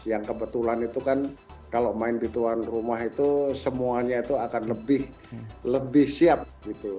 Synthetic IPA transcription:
jaŋkəbət̪ulanit̪ukan | kaloʔmaɪndit̪uanrumaɦit̪usəmuaɲait̪uakanləbɪh | ləbɪhsiap̚ɡit̪u

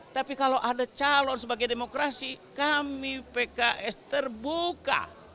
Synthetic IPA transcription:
t̪apikalowʔadat͡ʃalɔnsəbaɡajdemokɾasikamipekaʔɛst̪ərbuka̰

